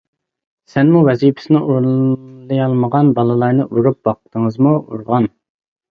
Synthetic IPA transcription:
sɛnmuwɛzipʰɪ̥sɪnɪʔuɾlˠɨjɑlˠməʁɑnbɑlˠɨlˠɑɾnɨʔuɾup̚wɑqt̪ʰəŋəzmuṵɾʁɑn

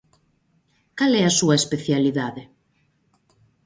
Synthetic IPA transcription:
kalɛasuɐespeθjaliðaðɪ

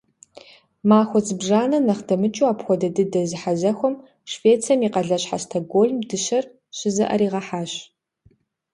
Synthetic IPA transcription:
maːxʷɔt͡sʼɨbʒaːnɐnɐχdɐmɨt͡ʃʼuaːpxʷɔdɐdɨdɐzɨħazɐxʷɔm | ʃveːt͡sʰɐmiːqɐɮɐɕħa̰stʰɐɡoːɮmdɨɕɐr | ɕɪzɐ̰ʔɐ̰ɾiːʁɐħaːɕ

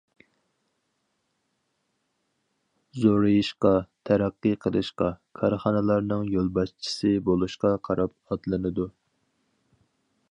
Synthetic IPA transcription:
zoɾɨjiʃqɑt̪ʰæɾæqːɨqʰəlˠɨʃqɑkʰɑɾχɑnɨlˠɑɾnɨŋjolˠbɑʃt͡ʃʰi̥sɨbolˠuʃqɑqʰɑɾɑp̚ɑt̪lˠɨnɨd̪u

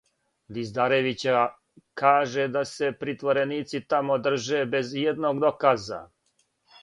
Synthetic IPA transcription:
d̪izd̪aɾeʋit͡ɕa | kaːʒe̞d̪ase̞pɾit̪ʋo̞ɾe̞niːt̪sit̪amod̪r̩ʒe̞be̞zjed̪noːɡd̪o̞kaːza̰

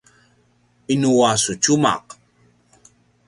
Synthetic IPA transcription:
inuwasut͡ʃuma̰q

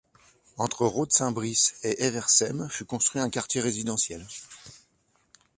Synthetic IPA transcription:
ɑ̃t̪χəʁod̪sɛ̃bʁiseʔevɛʁsɛmfykɔ̃st̪χwɥiɛ̃kaʁt̪jeʁezid̪ɑ̃sjɛl

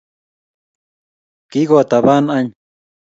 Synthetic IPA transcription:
kiɣot̪aβanaɲ

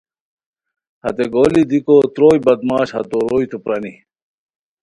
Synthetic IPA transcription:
hɐ̰t̪eɡoːlid̪ikot̪ɾoːjbɐd̪mɑːɕhɐ̰t̪oɾoːjt̪upɾɐni

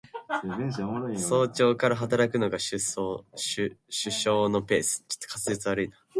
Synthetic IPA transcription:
so̞ːt͡ɕo̞ːkaɾaɦat̪̬aɾakɯ̟no̞ɡaɕɨsoɕɨɕɨɕo̞ːno̞pe̞ːsɨ̥t͡ɕo̥t̪ːo̥kat͡sɨzit͡sɨβaɾɯ̟ina

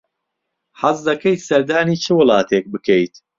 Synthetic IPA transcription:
ħɐzd̪ɐkejt̪sɐɾd̪aːniːt͡ʃʰɨwʊlˠɑːt̪ʰeːk̚bɨkejt̪

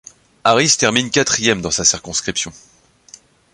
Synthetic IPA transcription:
aʁist̪ɛʁminkʲat̪χijɛmd̪ɑ̃sasiʁkɔ̃skχipsjɔ̃

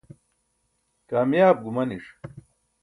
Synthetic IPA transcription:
kaːmjaːb̚ɡumɐniʂ

